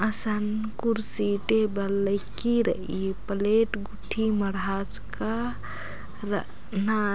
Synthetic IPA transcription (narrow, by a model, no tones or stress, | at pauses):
əsənkuɾsiʈebəlːəjkiɾəʔipəleʈɡuʈʰiməɽad͡ʒka | ɾ | na